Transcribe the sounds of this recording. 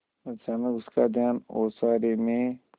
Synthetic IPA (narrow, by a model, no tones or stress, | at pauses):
ɐt͡ʃʰaːnaʊskaːd̪ʱjaːnoːsaːɾemẽ